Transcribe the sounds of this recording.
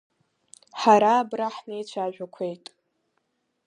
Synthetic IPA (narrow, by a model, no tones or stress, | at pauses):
ħaɾaːbraħnejt͡ʃʷʰaʒᶣʷakʷʰe̞jtʼ